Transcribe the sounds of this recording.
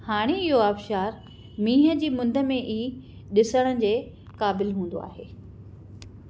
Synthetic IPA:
haːɽ̃eɪɦoaːfʃaːɾ | mĩːɦə̆d͡ʑiːmʊ̃nd̪ʱə̆mẽʔiː | ɗɪsəɽ̃əd͡ʑeː | kaːbɪlɦũːnd̪o̰a̰ːɦeː

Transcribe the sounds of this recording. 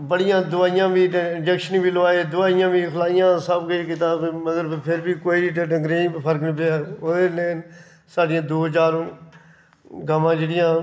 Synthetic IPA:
bəɽɪjãːd̪ʊaːɪjãːbiːd͡ʒəkʃnĩːbiːləʋaːeːd̪ʊaːɪjãːbiːkʰəlaːɪjãːsəbkiːkɪt̪aːbməɡəɾpʰɪɾbiːkoːiːʈːʈəŋɡɾeːĩːpʰəɾknĩːpeaːoːd̪eːleːn | saːɖɪjãːd̪oːɦd͡ʒaːɾ | ɡaːmãːd͡ʒeːɽɪjãː

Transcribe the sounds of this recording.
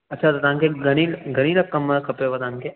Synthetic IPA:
ɐtːt͡ʃʰat̪ɐt̪ãŋkeɡɐñilɡʱɐɽ̃ilɐkkːɐmːəkʰɐpeʋɐt̪ãːŋke

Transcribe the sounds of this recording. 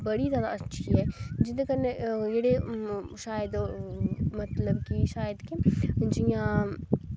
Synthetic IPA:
bɐɽizjaːd̪aɐtːʃʰiɦɛd͡ʒɪekɐnejeɽeʃaːjəd̪ | mɐt̪ləbkiʃaːjəd̪kid͡ʒijã

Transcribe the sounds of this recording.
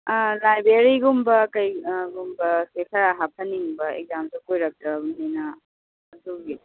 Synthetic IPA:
lajbɾeɾiɡumbɐkɐjɡumbɐsekʰɐɾaɦapʰɐniŋbɐḛɡ̚zamsukojɾɐk̚tɾɐbnenɐː | duɡi

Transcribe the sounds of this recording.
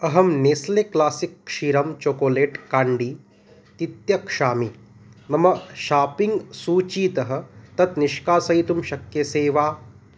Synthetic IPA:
ɐɦɐmneːsleklaːsikʃiɾɐmt͡ʃoːkoːleːʈkaːɳɖiː | t̪it̪jɐkʂaːmi | nɐmɐʃaːpiŋɡsuːt͡ʃiːt̪ɐɦɐ̆t̪ɐt̪niʃkaːsɐɦit̪umʃɐkjɐseːʋaː

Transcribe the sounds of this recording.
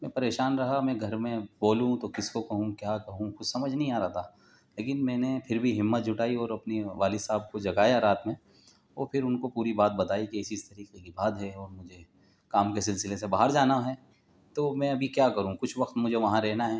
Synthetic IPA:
mɛ̃ːpɐɾeːʃaːnɾɐɦamɛ̃ɡʱɐɾmẽboːlũt̪okɪskokɐɦũkjaːkɐɦũxʊd̪sɐməd͡ʒʱnɐ̃ɦĩaːɾat̪ʰaː | leːk̬ɪnmɛ̃ːnepʰɪɾbʱiɦɪmːət̪̚d͡ʒʱʊʈaːiɔːɾɐpniʋaːlisaːb̚kod͡ʒɐɡaːjaɾaːt̪mẽ | oːɾpʰɪɾʊnkopuːɾibaːt̪̚bɐt̪aːikiɪsist̪ɐɾiːqekibaːd̪ɦɛɔːɾmʊd͡ʒʱe | kaːmkes̬ɪlsɪlesebaːɦəɾd͡ʒaːnaɦɛː | t̪oːmɛ̃ɐbʱikjaːkɐɾũkʊt͡ʃʰʋɐqt̪mʊd͡ʒʱeʋɐɦãɾɛɦnaɦɛ

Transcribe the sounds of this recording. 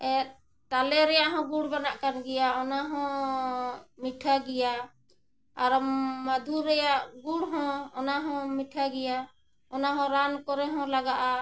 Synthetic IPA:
ɛ | t̪alɛɾɛjaʔɦɔ̃ɡuɽbanaʔkanɡɛjaɔnaɦɔ̃ | miʈʰaɡɛja | aɾmad̪ʱuɾɛjaʔɡuɽɦɔ̃ɔnaɦɔ̃miʈʰaɡɛja | ɔnaɦɔ̃ɾankɔɾɛɦɔ̃laɡaʔa

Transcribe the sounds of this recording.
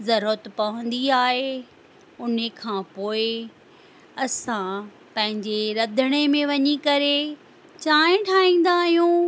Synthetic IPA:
zɐɾət̪pɐʋə̃n̆d̪iaːɦe | ʊnəkʰãːpoːɪ | ɐsã | pɐ̃ɦɪ̃ɲd͡ʑeɾɐd̪ʱəɽ̃emẽʋɐɲikɐɾe | t͡ɕaːẽʈʰaːĩːn̆d̪aːɦijũː

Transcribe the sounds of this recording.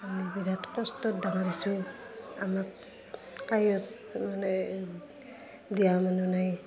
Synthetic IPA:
amibidatkɔstɔdaŋaɾisuamak̚ | kajɔs | manɛ | diamanunaj

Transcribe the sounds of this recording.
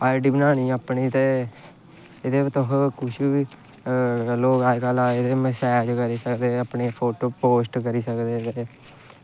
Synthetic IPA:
aːɖiːbənaːñiːəpɳiːt̪eː | ɪd̪eːʋt̪ʊɦkʊʃii | loːɡaːd͡ʒkaːlaːed̪eːməsɛːd͡ʒkəɾiːsəkd̪eːapɳeːpʰoːʈoːpoːsʈkəɾiːsəkd̪eːt̪eː

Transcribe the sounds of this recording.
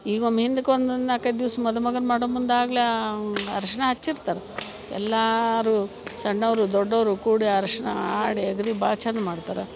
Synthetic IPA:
iːɡonmɦind̪ukond̪ɐnd̪aːkɐd̪iʋsɐmɐd̪ɐmɐɡɐnmaːɽomund̪aːɡleɐ̰ɾɐʂɐɳɐɦɐt͡ʃːiɾt̪aːɾe | ɛ̰lːaɾu | sɐɳːɐʋɾud̪ɔɖːɐʋɾukuːɽiaɾɐʂɐɳɐ̰aːɽieɡɐd̪iba̰ːt͡ʃaːnd̪maːɽt̪aːɾe

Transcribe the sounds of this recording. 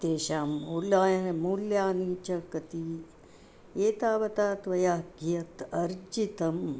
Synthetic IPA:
d̪eːʃaːmuljaːjɐnemuːljaːniːt͡ʃɐkɐt̪i | eːt̪aːʋɐt̪aːt̪ʋɐjaːɡijɐt̪ɐɾd͡ʒit̪ɐm

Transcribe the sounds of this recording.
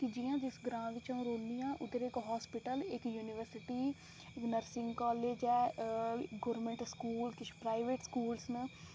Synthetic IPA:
kɪd͡ʒɪjãːd͡ʒɪsɡɾãːʋɪt͡ʃəũːɾoːnd̪ijãːʔʊd̪əɾɪkɦɔːspɪʈəlɪkjuːnɪʋəɾsɪʈiː | ɪknəɾsɪŋɡkɔːleːd͡ʒɛː | ɡoːɾmẽɳʈskuːlkɪt͡ʃʰpɾaːɪʋeːʈskuːlsnə

